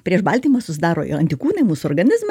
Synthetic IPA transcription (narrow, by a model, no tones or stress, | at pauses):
pʲɾʲiɛʃbɐlʲt̪ʲiːmɐsʊsʲɪd̪ɑːɾo̰ːjɪ̰ɐnʲt̪ʲɪkuːnɐɪmuːsʊoːɾɡɐnʲɪzm